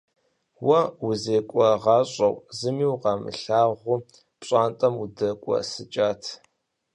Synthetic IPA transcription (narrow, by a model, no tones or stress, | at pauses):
wɐwʊzeːkʷʼɔʁɑːɕʼɐwzɨmiːwqɑmɨ̰ɬaːʁʷʊ | pɕʼaːntʼɐmʊdɐkʷʼɔ̰sɨt͡ʃʼaːtʰ